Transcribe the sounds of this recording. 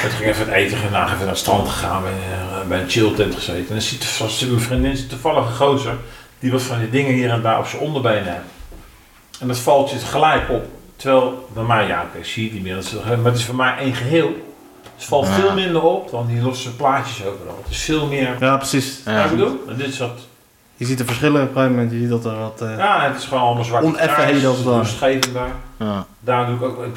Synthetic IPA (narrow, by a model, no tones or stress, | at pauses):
ɛtχɪkɛfəəteːtəχənənaːxɛfənaːdəstrɑntχə̥χa̰ːnbɛbɛjənt͡ʃɪlˠtɪntχəz̥eːtəndɔsitsitmənfrindɪnsi̥tufɑlˠəχəχowsəd̥iʋɔtfɔndidɪŋəhiəɾɛnda̰ːʔo̰psəondərbejnɛm | ɛndɔtfɑlˠtjətχəlɛjkɔp̚təʋɛːlˠdɔmɛjja̰kesiːətdimɪədɔtsətɛmarət̬ɪsfɔmɛjʔejnχəɦɪːlˠ | tfɑlˠtfɪːlˠmɪndəropdɔndilosəplaːtjəsowvərɔ̰lˠətɪsfɪːlˠmɪərjaːprəsisəduɛndɪtɪsʋɔt | jəzitəfəsχɪləpχeːvəmɛntjəzit̚dɔtəʋɔtjaːətɪ̥sχəʋoːnɔləmalˠzʋaonɛfəɦeːdəsəɔsχejvəndardaːrnduɪkokɪk